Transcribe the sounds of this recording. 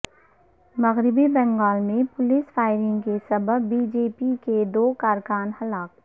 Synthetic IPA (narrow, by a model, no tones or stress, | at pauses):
mɐɣɾɪbibɛ̃ːŋɡaːlmẽpʊlɪsfaːɪɾɪ̃ŋɡkesɐbəbːiːd͡ʒeːpiked̪oːkaːɾkaːnhɐlaːk̚